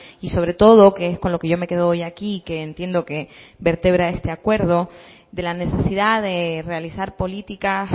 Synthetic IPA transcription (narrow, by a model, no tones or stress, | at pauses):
iso̞βɾe̞t̪o̞ðo̞keesko̞nlo̞ke̞ʝo̞me̞ke̞ðoojakike̞ːnt̪je̞nd̪o̞ke̞βe̞ɾt̪e̞β̞ɾae̞st̪e̞akwe̞ɾðo̞ | d̪e̞lane̞sesiðaðe̞realisaɾpo̞lit̪ikas